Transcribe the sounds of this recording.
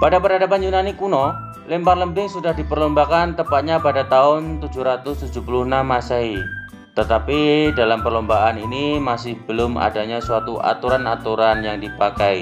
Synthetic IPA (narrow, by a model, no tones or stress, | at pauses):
padapəɾadapanjunanikunɔ | lɛmparləmbɪŋsudahdipərlɔmbakant̪əpat̪̚ɲapadat̪aʊnt̪ud͡ʒuɾat̪ʊst̪ud͡ʒuhpulʊhnamasai | t̪ət̪apidalampərlɔmbaʔaninimasɪhbəlʊma̰daɲasuat̪uʔa̰t̪uɾanat̪uɾanjaŋdipakai